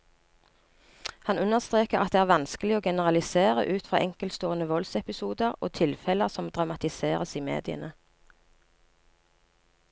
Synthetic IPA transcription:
hɑnʉnəʁst̪ʁeːkəʁʔɑt̪̚d̪eːæːʁʋɑnskəlɪoːɡɛnəʁɑlɪseːʁə̰ʔʉːt̪fʁɑ̰ːʔɛŋkəlst̪oːənəʋɔlsɛpɪsuːd̪əʁo̰ːt̪ʰɪlfɛləʁsɔmd̪ʁɑmɑt̪ɪseːʁəsiːmḛːd̪ɪə̰nə

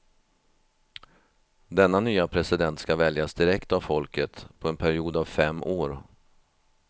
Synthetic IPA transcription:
d̪ɛnːanyːapʰɾɛsɪd̪ɛnt̪skavɛljasd̪ɪɾɛkt̪avfɔlkət̪pʰɔɛnpʰæɾɪuːd̪avfɛmːʔoːɾ

